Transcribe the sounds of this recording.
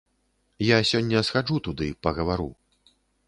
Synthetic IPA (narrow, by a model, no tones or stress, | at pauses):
jasʲɔnʲːɐsxad͡ʐut̪ud̪ɨpɐɣɐvaɾṵ